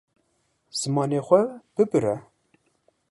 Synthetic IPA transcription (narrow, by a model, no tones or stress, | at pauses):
z̥ɨmɑːneːxʷɛb̥ɨbɨɾɛ